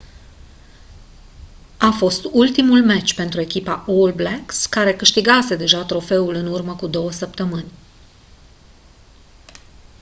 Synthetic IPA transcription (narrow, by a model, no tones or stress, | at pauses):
afo̞st̪ult̪imulmet͡ʃʲpe̞nt̪ɾue̞kʲipaʔolblekskaɾe̞kɨʃt̪iɡase̞d̪e̞ʒat̪ɾo̞fe̞ulɨnurməkud̪o̞wəsəpt̪əmɨnʲ